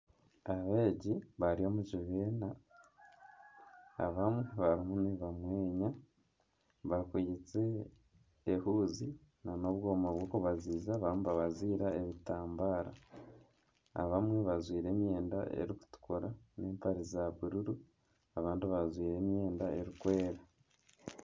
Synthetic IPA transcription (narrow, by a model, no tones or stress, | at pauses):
aβeːɟiβaɾio̞muʒiβeːna | βamweβaɾimuneβamwe̞ːɲa | βakwijit͡se̞ː | huːzinano̞βɡoːmaβwɡo̞ːkuβaziːzaβamuβaβaziːɾaeβitaːmbaːɾa̰ | a̰βamwe̞βazwiːɾe̞ːmje̞ːnda̰ʔe̞̰ɾiku̥tu̥koɾane̞ːmpaɾizaβiɾuɾu | aβaːndiβazwiːɾe̞mje̞ːndae̞ɾikweːɾa